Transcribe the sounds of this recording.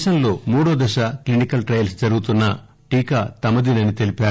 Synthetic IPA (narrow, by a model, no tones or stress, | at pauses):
ʃɐnlo̞ːmuːɽoːd̪ɐʃɐklinikɐlʈɾɐjɐlsd͡ʒɐɾuɡut̪unːɐ | ʈiːkat̪ɐmɐd̪inɐnit̪e̞lipaː